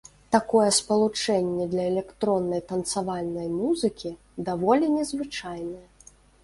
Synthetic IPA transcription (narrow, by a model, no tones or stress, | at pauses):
t̪akɔjɛspɐlˠut͡ʂɛnʲːɛd̪lʲɐɛlʲɛkt̪ɾɔnːɐjt̪ɐnt̪savalʲnɐjmuzɨkʲi | d̪avɔlʲinʲɛzvɨt͡ʂajnɐjɛ